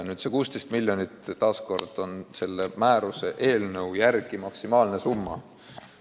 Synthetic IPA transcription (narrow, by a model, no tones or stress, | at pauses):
nyːd̪sekuːst̪e̞jst̪milʲjonit̪t̪ːɑːsko̞rd̪̥o̞nse̞lːemæːɾuse̞ʔe̞ːlnɤwjærɡ̥imɑksimɑːlne̞sumːɑ